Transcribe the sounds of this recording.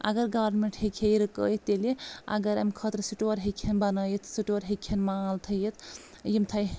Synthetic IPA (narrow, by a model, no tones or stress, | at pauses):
ɐ̰ɡəɾɡaʋəɾnmeɳʈhekʰejɾkə̰jt̪ːeleɐ̰ɡəɾɐmkʰət̪ɾsiʈoɾɦekʰenbɐnəjet̪ʰsiʈoɾɦekʰenmalt̪ʰəjet̪ | jimt̪ʰaj